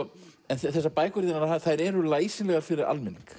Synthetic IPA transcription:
ɛnθɛθɛsːapaːjkʏɾðɪnaɾaaθajɾɛɾʏlaːjsɪnlɛɣaɾfɪɾɪɾa̰lmɪnːiŋk

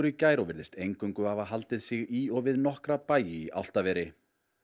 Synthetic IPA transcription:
ɾicaːjɾɔvɪɾðɪst̪ejŋkʏŋkʏavaɦalt̪ɪðsɪɣiɔɣvɪðnɔhkɾapaːjɪia̰wl̥t̪avɛːɾɪ

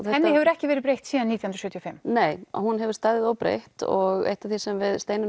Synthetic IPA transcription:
θɛhɛnːɪhɛvʏɾɛhcɪvɛːɾɪɾpɾejht̪siːðanːiːt̪jahunɾsʏːt̪jofɪmːneːjɔ̰hunɦɛvʏ̥ɾst̪aːðɪðoːwpɾḛjht̪ɔɣḛjht̪aθisɛmvɪðst̪eːjnɪ

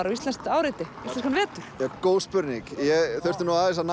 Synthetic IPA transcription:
aɾawist̪ɛnst̪aːwɾɪt̪ɪistlɛnskanvɛːt̪ʏɾ̥jɛkoːwspʏɾniŋkjɛɣθœr̥t̪ʏɾnuaɪsan

